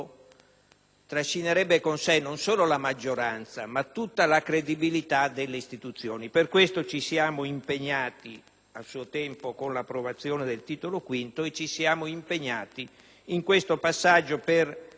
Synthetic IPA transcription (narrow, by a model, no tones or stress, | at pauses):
t̪ɾaʃːineɾɛbːekonsenːonsoːlolamad͡ʒːoɾant̪samat̪ːut̪ːalakɾed̪ibilit̪ad̪elːeist̪it̪ut̪sːjoːniperkwest̪ot͡ʃisjaːmoimpeɲːaːt̪i | alsuːot̪ɛmpokonlapːɾovat̪sːjoːned̪elt̪iːt̪olokwint̪oet͡ʃːisjaːmoimpeɲːaːt̪i | iŋkwest̪opasːad͡ʒːoper